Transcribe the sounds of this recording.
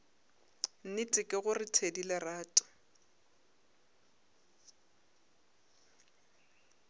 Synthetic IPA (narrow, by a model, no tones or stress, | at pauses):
n̩nɪtʼɪkʼɪɣʊrɪtʰedilɪraːtʼʊ̥